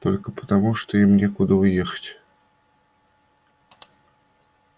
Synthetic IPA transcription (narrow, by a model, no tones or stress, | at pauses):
t̪o̞lʲkəpə̥t̪ɐmuʂt̪oimnʲekʊd̪əʊje̞xə̥tʲ